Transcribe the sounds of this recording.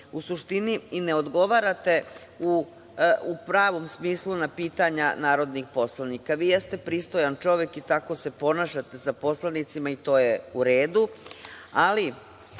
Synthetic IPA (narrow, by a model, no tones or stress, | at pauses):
usuʃt̪iniineo̞d̪ɡo̞ʋaɾat̪e̞ | u | upɾaːʋo̞msmiːslˠunapiːt̪aɲanaːɾo̞d̪nixpo̞slˠanikaʋiːjest̪e̞pɾiːst̪o̞jant͡ʃo̞ʋje̞kit̪ako̞se̞po̞naːʃat̪e̞sapo̞slanit̪simait̪o̞ːjeuɾe̞ːd̪u | ali